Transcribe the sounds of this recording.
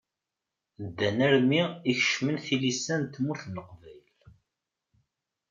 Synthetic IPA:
d̪ːænæɾmiiçʃmənθilisːænt̪muθnəqvæjl

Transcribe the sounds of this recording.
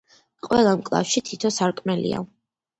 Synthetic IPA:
qʼwɛlˠamkʼlˠa̰fʃit̪ʰit̪ʰɔsaɾkʼmɛlḭa̰

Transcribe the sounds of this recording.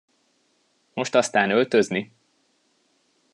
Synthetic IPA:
mo̞ʃt̪ɒst̪aːnølt̪ø̞zni

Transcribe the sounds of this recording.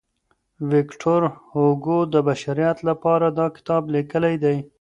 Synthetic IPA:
wɪkʈʰoɾhoɡod̪əbaʃaɾijat̪lapɑɾad̪ɑkɪ̥t̪ɑblikəlajd̪aj

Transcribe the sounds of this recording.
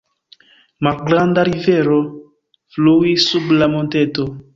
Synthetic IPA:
malɡɾandaɾive̞ɾo̞ | fluisublamonte̞to̞

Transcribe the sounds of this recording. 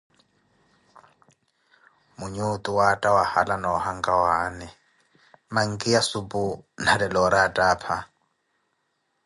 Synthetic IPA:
muɲut̪ʼuwatʼawahalanɔhaŋkʼawaːnɛ | maŋ̩kʼijasubun̤adɛlɔɾatʼaːpʰa

